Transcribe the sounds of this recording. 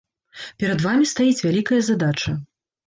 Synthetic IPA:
pʲɛɾɐd̪vamʲist̪ajit͡sʲvʲalʲikɐjɐzad̪at͡ʂɐ

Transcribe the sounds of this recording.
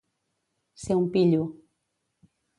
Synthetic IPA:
seũmpiʎu

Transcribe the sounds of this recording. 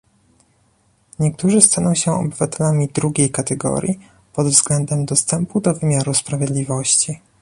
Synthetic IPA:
ɲɛk̚t̪uʐɘst̪anɔ̃w̃ɕɛɔ̰bɘvat̪ɛlamʲid̪ɾuɡʲejkat̪ɛɡɔ̰ɾʲji | pɔd̪vzɡlɛnd̪ɛmd̪ɔst̪ɛmpud̪ɔvɘmʲjaɾuspɾavʲjɛd̪lʲivɔɕt͡ɕi

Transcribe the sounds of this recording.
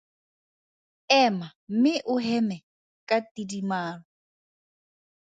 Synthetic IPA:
ɛmam̩mɪʔʊɦɛmɛ | kʼatʼidimaːɺɔ

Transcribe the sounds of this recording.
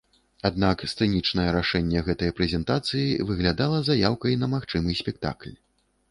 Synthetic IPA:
ad̪nakst̪sɛnʲit͡ʂnɐjɛɾaʂɛnʲːɛɣɛt̪ɐjɛpɾɛzʲɛnt̪at̪sɨjivɨɣlʲad̪alˠɐzajawkɐjnɐmaxt͡ʂɨmɨsʲpʲɛk̚t̪a̰klʲ

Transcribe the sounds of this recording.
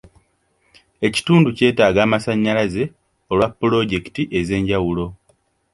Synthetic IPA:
e̞ci̥tuːnduce̞ːtaːɡaːmasaɲːalaze̞ | o̞lwapːulo̞ɟe̞ki̥tiʔe̞ze̞ːɲɟawulo̞

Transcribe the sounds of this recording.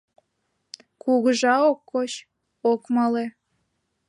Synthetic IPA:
kuɣəʒɑokːot͡ɕ | okmɑle

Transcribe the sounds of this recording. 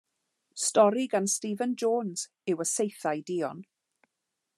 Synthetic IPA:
stɔɾiɡanstiːvənd͡ʒoːnz̥ | ɪwəsejθajdiːɔn

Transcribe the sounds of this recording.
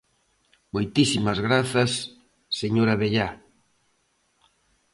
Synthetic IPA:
mojt̪isimɐzɣɾaθɐsː | eɲoɾaβeʎa

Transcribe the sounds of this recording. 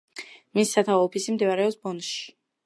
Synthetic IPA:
misːat̪ʰaɔɔpʰisimd̪ivaɾɛɔpsbɔnʃi̥

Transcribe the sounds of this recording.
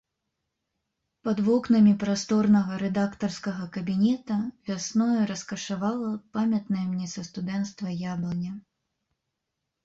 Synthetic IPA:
pɐd̪vɔknɐmʲipɾast̪ɔrnɐɣɐɾɛd̪akt̪ɐrskɐɣɐkɐbʲinʲɛt̪ɐvʲasnɔjɛɾɐskɐʂavalˠɐpamʲɐt̪nɐjɛmnʲɛsɐst̪ud̪ɛnt̪st̪vɐjablˠɐnʲɐ

